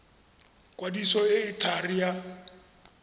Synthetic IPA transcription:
kʼwadisɔɪɪtʰarija

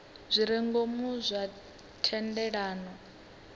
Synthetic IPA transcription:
zʷiɾɛŋɡomuzʷa | tʰɛndɛɺaːnɔ

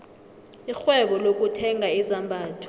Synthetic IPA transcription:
ixwɛɓɔlok̬ʼutʰɛŋʱaizambʱaːtʰɔ̥

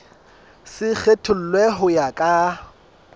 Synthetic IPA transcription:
sɪk͡xʰetʰʊl̩lweɦʊjakʼa

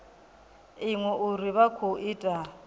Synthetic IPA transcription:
ɪŋwɛʔuriβakʰoʔitʼa

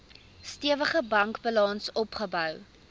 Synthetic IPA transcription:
stiəvəχəbɐŋkbəlɑnsɔpχəbœw

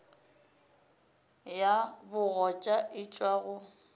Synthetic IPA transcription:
jabʊɣɔt͡ʃʼaʔɪt͡ʃʼwaɣʊ

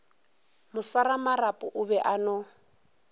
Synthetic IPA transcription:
mʊsaɾamarapʼʊʔʊβɛʔanʊ

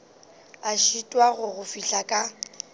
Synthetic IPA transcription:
aʃitʼwaɣʊɣʊfiɬakʼa

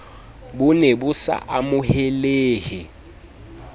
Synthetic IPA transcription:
bʊnebʊsa̰ʔamʊhɛleːhɪ

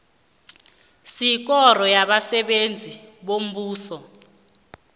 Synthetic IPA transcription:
sik̬ɔrɔjaɓasɛɓend͡zʱiɓom̩ɓuːsɔ

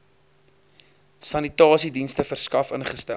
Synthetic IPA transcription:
sɐnitɑːsidinstəfərskɐfənχəstæ

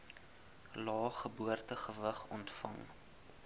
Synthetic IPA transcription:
lɑːχəbuərtəχəvəχɔntfɐ̰ŋ

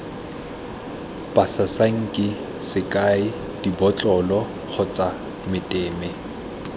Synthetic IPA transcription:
pʼasasaŋ̩kʼɪ | sɪkʼaɪ | d̥ibɔt͡ɬʼɔlɔ | k͡xʰʊt͡sʼa | mɪtʼeːmɛ

